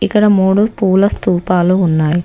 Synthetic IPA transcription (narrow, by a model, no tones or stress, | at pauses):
ikːɐɽɐmuːɽupuːlɐst̪uːpaːluːnːaːji